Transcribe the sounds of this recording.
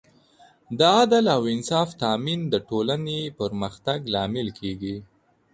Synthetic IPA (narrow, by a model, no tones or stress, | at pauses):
d̪əad̪alawɪnsɑft̪ɑmind̪əʈolanepəɾməxt̪aɡlɑmɪlkʰeɡi